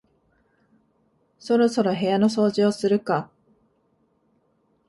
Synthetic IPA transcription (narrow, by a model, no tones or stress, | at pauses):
so̞ɾo̞so̞ɾo̞ɦe̞jano̞so̞ːʑiosɨɾɯ̟ka